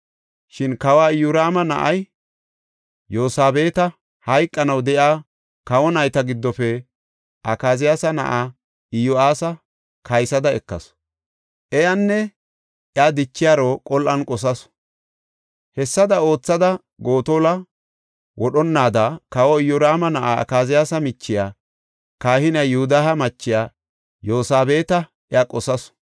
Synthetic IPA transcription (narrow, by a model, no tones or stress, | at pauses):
ʃɪnkɐwaːɪjʊɾaːmɐnɐ̰ʔɐj | joːsaːbe̞ːt̪ɐ | hɐjkʼːɐnɐwd̪ɛʔjaː | kɐwɔnɐjt̪ɐɡɪd̪ːɔfɛ | ʔɐkaːzɪjasɐnɐ̰ʔa | ɪjɔaːsɐ | kɐjsɐd̪ɐɛkːɐ̰s | ʔɛjɐnːɛ | ʔjaːd̪ɪt͡ʃːɪjaːɾoːkʼɔlʔɐnkʼɔs̬ɐs | hɛsːɐd̪ɐo̞ːt͡sːɐd̪ɐ | ɡo̞ːt̪oːlɐ | wɔɗɔnːaːd̪akɐwɔɪjɔɾaːmɐnɐʔaɐ̰kaːzɪjaːsɐmɪt͡ʃːɪjaː | kaːhɪnɐjʊhʊd̪aɦɐmɐt͡ʃːɪjaː | joːsaːbe̞ːt̪ɐ | ʔɪakʼɔsɐs